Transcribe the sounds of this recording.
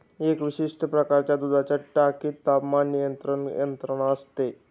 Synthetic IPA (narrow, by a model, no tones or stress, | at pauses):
ekʋiɕiʂʈʰəpɾəkaɾt͡ɕjad̪ud̪ʱat͡ɕaʈakiːt̪ːapmanːijənt̪ɾəɳjənt̪ɾəɳ̃əst̪e